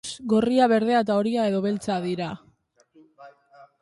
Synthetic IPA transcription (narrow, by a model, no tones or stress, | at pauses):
sɡo̞riaβ̞e̞ɾðe̞aet̪ao̞ɾiae̞ðo̞βe̞lt͡saðiɾa